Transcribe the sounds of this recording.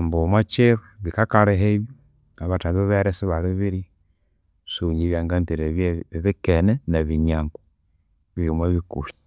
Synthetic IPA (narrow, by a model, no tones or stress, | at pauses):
mbomwat͡ʃeɾuβikakaɾeɦeβjo | aβataβiββeɾesiβaliβiβiɾi | suɲiβjaːŋɡamtiɾeβjeβikenenaβiɲaːŋɡo | βimweβikuɾi̥